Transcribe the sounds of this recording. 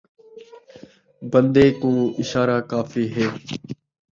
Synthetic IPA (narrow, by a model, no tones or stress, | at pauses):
bənd̪eːkũːɪʃaːɾaːkaːfiːɦeː